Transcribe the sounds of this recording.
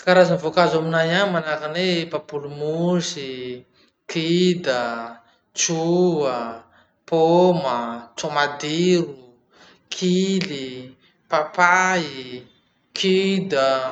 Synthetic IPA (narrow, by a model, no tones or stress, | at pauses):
kaɾazanvokazaminajanmanakanepapulumusi | kʰid̪ə | t͡ʃuə | pomət͡somad̪iɾu | kʰili | papai | kʰid̪ə